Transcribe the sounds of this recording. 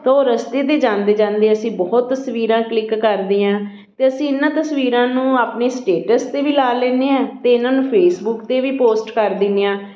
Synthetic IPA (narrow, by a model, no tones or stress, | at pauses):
t̪oɾəst̪eːt̪eːd͡ʒãːnd̪eːd͡ʒãːnd̪eːəsĩːbɔːt̪ːəsʋiːɾãːklɪkːəɾd̪eːãː | t̪eːəsĩːɪnːãːt̪əsʋiːɾãːnũːaːpneːsʈeːʈəst̪eːʋiːlaːlɛːneːãːt̪eːɪnãːnũːpʰeːsbʊkt̪eːʋiːpoːsʈkəɾd̪ɪneːãː